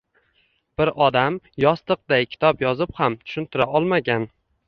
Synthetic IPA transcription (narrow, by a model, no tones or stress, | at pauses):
b̥ɪɾʔɒd̪amjɒst̪ɨq̚d̪ajkʲʰɪ̥t̪ʰɒpjɒzɪphamt̪ʰʊ̥ʃɪnt̪ʰɪɾaɒlˠmaɡʲan